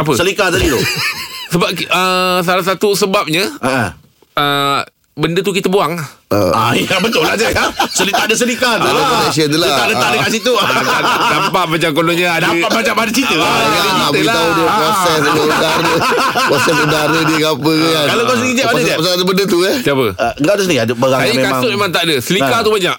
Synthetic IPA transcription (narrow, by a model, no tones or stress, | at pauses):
ap̬əsəlikat̪adit̪usəbap̚kəhs̬alahsat̪usəbap̚ɲəə | ə | bəndət̪ukit̪əbuaŋə̰ajabət̪ʊlad͡ʒakasəlit̪aʔdəs̬əlikat̪laaɛs̬iənt̪ulaaʔdəadəaʔsit̪uadapaʔ̪̚mat͡ʃaŋkonɔɲə̃adaaʔbaɲaʔbadət͡ʃit̪uaalat̪audəpɾosɛsdəudaɾəpɾɔsɛs̬udaɾədəkapəkəakalakas̬id͡ʒɛaadəd͡ʒɛpasaat̪əbəndət̪uət̪iapəəɡaʔd̪usəniadəbəɣasajamekaaŋʊʔmemaŋt̪aʔdəsəlikat̪ubaɲaʔ